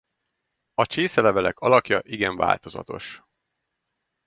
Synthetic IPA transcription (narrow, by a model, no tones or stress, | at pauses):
ɒt͡ʃeːsɛlɛvɛlɛ̰kʰɒlɒkjɒʔiɡɛɱva̰ːlt̪o̞zɒ̰t̪o̞ʃ